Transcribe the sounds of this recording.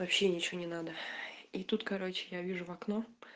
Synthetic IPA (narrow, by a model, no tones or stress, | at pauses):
vɐpɕːenʲɪt͡ɕɪonʲɪnad̪əit̪ut̪kɐɾo̞t͡ɕɪ̥javʲiʐʊvɐkno